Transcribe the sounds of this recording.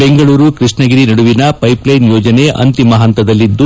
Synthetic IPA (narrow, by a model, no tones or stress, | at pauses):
be̞ŋɡɐɭuːɾukɾiʂɳɐɡiɾinɐɽuʋinɐpɐjplɐjnjoːd͡ʒɐne̞ʔɐ̰nt̪imɐɦɐnt̪ɐd̪ɐlːid̪ːu